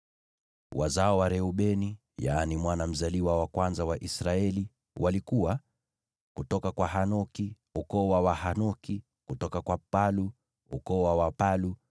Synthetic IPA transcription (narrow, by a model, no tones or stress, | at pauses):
wa̰zaɔwaɾɛuɓɛni | jaːnimwanam̩zaliwawakwanzawaʔisɾaɛli | walikuwa | kutɔkakwaɦanɔki | ukɔwawaɦanɔki | kutɔkakwapalu | ṵkɔwawapalu